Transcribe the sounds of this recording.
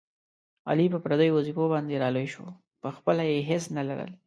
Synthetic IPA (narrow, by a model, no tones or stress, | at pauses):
a̰lipəpɾad̪əjowazifobɑnd̪eɾɑlojʃwo̰ | pəxpəlajeɦesnalaɾə̰l